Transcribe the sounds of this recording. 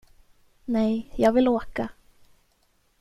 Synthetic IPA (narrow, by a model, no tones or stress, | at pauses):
nɛjjɑːɡvɪloːka